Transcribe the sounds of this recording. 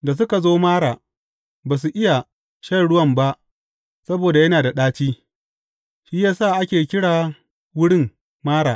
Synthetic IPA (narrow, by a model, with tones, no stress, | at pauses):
da˨s̬ʊ˦ka˨zoː˦maː˦ɽaː˨ | baː˨s̬u˨ʔɪ˦ja˨ | ʃɐ˦˨ɽʊ˦wɐ˦˨mba˦ʔ | sɐ˦boː˨da˨jɐ˦naː˨da˨ɗaː˦t͡ʃiː˦ | ʃiː˦jaː˦saː˦˨ʔa˦kʲeː˨kʲɪ˦ɽaː˨ | wʊ˦ɽɪ˦m | maː˦ɽa̰ː˨